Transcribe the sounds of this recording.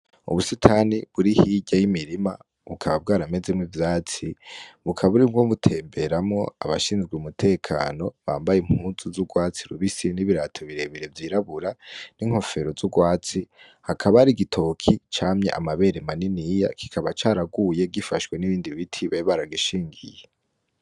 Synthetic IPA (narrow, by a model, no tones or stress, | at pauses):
ṵβusitʰaniβuɾihiɟajimiɾima | βukʰaβab̚ɡaːɾame̞zemŋivjaːt͡siβukʰaβuɾibɡoβutʰe̞ːmbe̞ɾamŋo̞aβa̰ʃiːnzɡweumutʰe̞ːkʰa̰ːno̞βaːmbajem̥huːzuzuɡwaːt͡siɾuβisiniβiɾatʰoβiɾe̞βiɾe̞vjiɾaβuɾaniŋ̥ho̞fe̞ɾo̞zuɡwaːt͡si | hakʰaβaɾiɡitʰo̞kʰit͡ʃaːmɲe̞̰ʔa̰maβe̞ɾemaninija̰kʰi̥kʰaβat͡ʃaːɾaɡuje̞ɡifaʃwe̞niβiːndiβitʰiβeβaɾaɡiʃiːŋɡḭje